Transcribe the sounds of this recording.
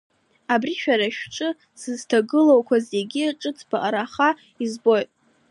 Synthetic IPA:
abriʃᶣaɾaʃᶣʈ͡ʂʼɨ | sɨztʰaɡɨlowkʷʰazeɡʲiʈ͡ʂʼɨt͡sʰbaʔaɾaχa | izbo̞jtʼ

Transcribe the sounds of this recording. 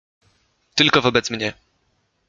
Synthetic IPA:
t̪ɘlkɔvɔbɛt̪smɲɛ

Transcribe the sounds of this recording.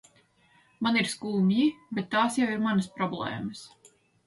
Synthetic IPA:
maniɾskuːmʲjibʲet̪ːaːsjawiɾmanɐspɾɔblˠɛ̰ːməs

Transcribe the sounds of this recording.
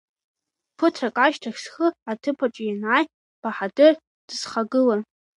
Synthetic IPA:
pʰɨtʰrakʼaʃtʰaxʲsχɨatʰɨpʰaʈ͡ʂʼjanaːj | b̥aħadɨr | d̥ɨz̥χaɡɨlan

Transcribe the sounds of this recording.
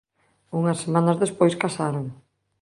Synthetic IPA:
uŋɐsːemãnɐzðespojskasaɾoŋ

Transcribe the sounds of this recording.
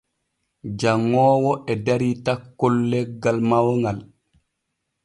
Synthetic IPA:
d͡ʒaŋːɔːwɔʔɛdaɾitakːɔlːɛɡːalmawŋɡal

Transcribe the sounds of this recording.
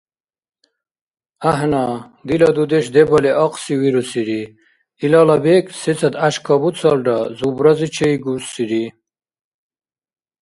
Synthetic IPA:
aɦna | d̪ilɐd̪ud̪eʃd̪ebɔlɛʔɔqʼsiwiɾusiɾi | ilɑlabekset͡sʰad̪aʃkʰɔbut͡sʰalɖazubɾazit͡ʃʰejɡusiɾi

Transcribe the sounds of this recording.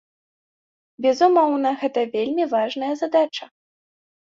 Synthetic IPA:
bʲɛzumɔwnɐɣɛt̪ɐvʲelʲmʲivaʐnɐjɐzad̪at͡ʂɐ

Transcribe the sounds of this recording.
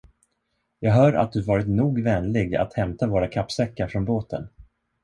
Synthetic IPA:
jɑːɡɦœːɾa̰t̪̚d̪ɵvɑːɾɪt̪nuːɡvɛnlɪɡa̰t̪hɛmt̪avoːɾakʰapːsɛkːaɾfɾɔnboːt̪ʰə̰n

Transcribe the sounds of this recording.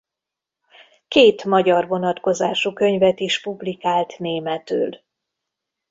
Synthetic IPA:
keːt̪mɒɟɒrvo̞nɒt̪ko̞zaːʃukø̞ɲvɛt̪iʃpublikaːlt̪neːmɛt̪y̰ːl

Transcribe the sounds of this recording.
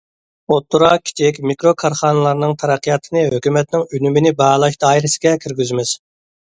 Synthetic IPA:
ot̪ʰːuɾɑkʲʰi̥t͡ʃʰikʲmikɾokʰɑɾχɑːnɨlˠɑɾnɨŋt̪ʰɛɾɛqʰːijɑt̪ʰɨnɨɦøkʲymɛt̪nɪŋynymɪnɪbɑlˠɑʃd̪ɑːiɾɪsɪɡʲɛkʲʰyɾɡʲyzmɪz̥

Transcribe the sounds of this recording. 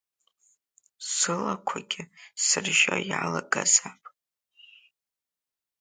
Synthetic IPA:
sɨlakʷʰaɡʲɪsɨrʒajalaɡʼazapʼ

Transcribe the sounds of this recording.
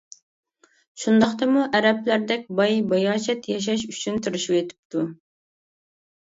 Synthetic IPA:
ʃund̪ɑχt̪ɑmuʔɛɾɛplæɾd̪ɛkʲbɑjbɑjɑːʃɛt̪jɑʃ̬ɑʃyt͡ʃʰynt̪ʰuɾuʃuwet̪ʰɪ̥p̚t̪ʰu

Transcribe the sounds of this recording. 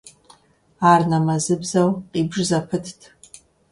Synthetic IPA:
arnamazɨbzawqʼibʐzapʰɨtʰtʰʼ

